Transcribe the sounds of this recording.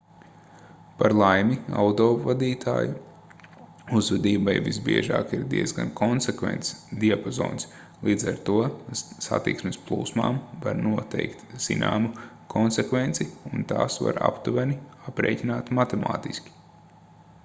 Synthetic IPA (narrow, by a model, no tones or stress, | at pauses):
paɾlˠajmʲia̰wt̪ovad̪iːt̪ʰa̰ːju | uzvɛd̪iːbajvisbiɛʒaːkiɾd̪iɛd̪zɡankʰɔnsekʋɛ̰nt̪sd̪iapozɔ̰ːns | lˠiːd̪zaɾt̪uɔsa̰t̪ḭksmesplˠṵːsma̰ːmvaɾnuɔt̪ɛjkt̪z̥ina̰ːmu | kʰɔnsɛkvent̪siunt̪aːsʋa̰ɾa̰pt̪uvɛniapɾḛːjcʲinaːt̪mat̪ɛma̰ːt̪iskʲi̥